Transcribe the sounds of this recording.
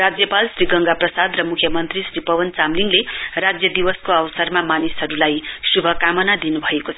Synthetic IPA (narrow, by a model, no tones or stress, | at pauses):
rad͡zjʌpalsriɡʌŋɡaprʌsad̪rʌmukʰjʌmʌnt̪risripʌwʌnt͡samliŋlerad͡zjʌd̪iwʌskoʌwsʌrmamanisɦʌɾulajsubʱʌkamʌnad̪inubʱʌekot͡sʰʌ